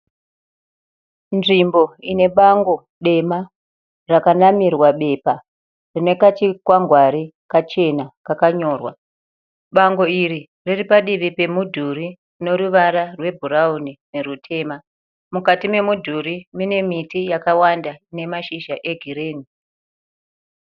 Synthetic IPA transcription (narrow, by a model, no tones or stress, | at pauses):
nʐimbo̞ine̞ɓaŋɡo̞ | ɗe̞ma | rakanamirwaɓe̞pa | rine̞kat͡ʃikwaŋɡwaɾi | kat͡ʃe̞nakakaɲo̞ːrwa | ɓaŋɡo̞iri | riripaɗiʋipe̞mudʱuri | no̞ɾuʋaɾarwe̞bʱuɾaunine̞rutʰe̞ːma | mukatime̞mudʱuɾimine̞mitijakawandaine̞maʃiʒaʔe̞ɡʱiɾeːni